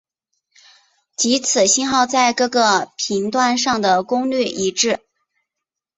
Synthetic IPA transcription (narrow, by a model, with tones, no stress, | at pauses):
t͡ɕi˧˥t͡sʰɹ̩˨˩ɕi˥nxɑ˥˧ʊt͡sa˥˧ɪkɤ˥˩ɡɤ˥˧pʰi˧˥ŋt̪wa˥˧nʂɑ˥˩ŋd̪ə˩kʊ˥ŋly˥˩ʔi˧˥ʈ͡ʂɻ̩˥˩